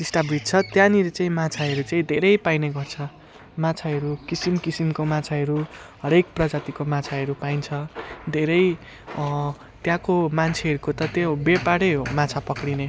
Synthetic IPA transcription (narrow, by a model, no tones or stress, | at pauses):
disʈʌbɾit̚t͡sʰʌt̪jãniɾet͡saĩmat͡sʰaɦʌɾut͡saĩd̪ʱeɾʌjpajneɡʌrt͡sʰʌ | mat͡sʰaɦʌɾukisimkisimkomat͡sʰaɦʌɾuɦʌɾek̚prʌd͡zat̪ikomat͡sʰaɦʌɾupajnt͡sʰʌd̪ʱeɾʌj | t̪jãkomant͡sʰeɦʌɾukot̪ʌt̪jabepaɽʌɦomãt͡sʰapʌkɽine